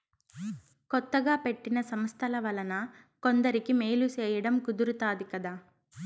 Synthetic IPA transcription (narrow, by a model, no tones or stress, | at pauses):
kɔt̪ːɐɡaːpe̞ʈːinɐsɐmst̪ʰɐlɐʋɐlɐnɐ | ko̞nd̪ɐɾikimeːlut͡ʃɛːjɐɽɐmkud̪uɾut̪aːd̪ikɐd̪aː